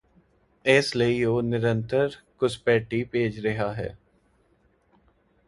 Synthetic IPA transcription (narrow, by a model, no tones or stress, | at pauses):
eːsləioːnɪɾə̃nt̪əɾkʊspɛːʈiːpeːd͡ʒɾəɦaːɦɛ̰ː